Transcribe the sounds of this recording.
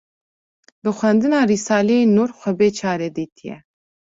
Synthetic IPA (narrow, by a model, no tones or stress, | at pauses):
bɨxʷɛnd̪ɨnɑːriːsɑːleenuːrxʷɛbeːt͡ʃʰɑːɾed̪iːt̪ʰijɛ̰